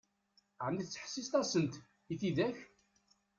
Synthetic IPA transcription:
ʕəmiθt͡sːħsːist̪æsənt̪ | iθiðæç

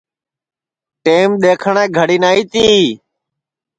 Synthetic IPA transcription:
ʈeːmɗ̪eːkʰəɳẽːɡʱəɽiːnaːiːt̪iː

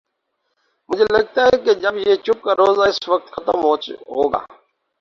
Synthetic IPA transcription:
mʊd͡ʒʱelɐɡ̚t̪aɦɛked͡ʒəbjet͡ʃʊp̚kaɾoːzaɪsʋək̚t̪xət̪əmɦoːɦo̰ːɡa̰ː

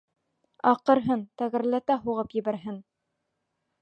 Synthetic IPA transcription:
ɑqɤ̆ɾɦɤnt̪æɣɘ̆ɾlæt̪æɦuʁɤpjɘ̆bæɾɦɘn

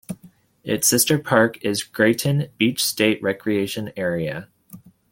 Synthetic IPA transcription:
ɪtsɪstə˞pʰɑɹkɪzɡ̥ɹeɪʔn̩b̥it͡ʃsteɪʔ̚ɹɛkʰɹieɪʃɨ̃nɛɹiɨ

